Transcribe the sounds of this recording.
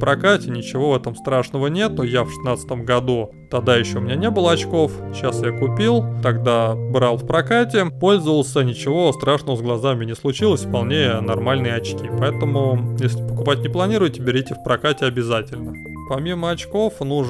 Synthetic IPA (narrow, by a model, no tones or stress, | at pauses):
pɾɐkatʲɪnʲɪt͡ɕɪvo̞vɛt̪əmst̪ɾaʂnəvənʲe̞t̪nojafʂɨ̥snat̪sə̥t̪əmɡɐd̪u | t̪ɐd̪ajɪɕːoʊmʲɪnʲanʲe̞bɨlˠəɐt͡ɕko̞fɕasjakʊpʲilˠt̪ɐɡd̪abɾɑlˠfpɾɐkatʲɪpo̞lʲzəvəlˠsʲənʲɪt͡ɕɪvo̞st̪ɾaʂnəvəzɡlˠɐzamʲɪnʲɪslˠʊt͡ɕilˠəsʲfpɐlˠnʲejənɐrmalʲnɨjɐt͡ɕkʲipɐɛt̪əmʊjesʲlʲɪpəkʊpatʲnʲɪplˠɐnʲiɾʊjtʲɪbʲɪɾʲitʲɪfpɾɐkatʲɪɐbʲɪzatʲɪlʲnə | pɐmʲiməɐt͡ɕko̞fnu